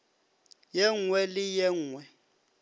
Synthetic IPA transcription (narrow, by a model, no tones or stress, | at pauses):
jɛŋwɛlɪjɛŋwɛ